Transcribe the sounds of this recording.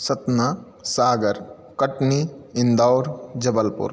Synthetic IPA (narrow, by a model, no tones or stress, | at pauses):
sɐt̪na | saːɡəɾ | kɐʈniɪnd̪aːɾd͡ʒɐbəlpʊ̰ɾ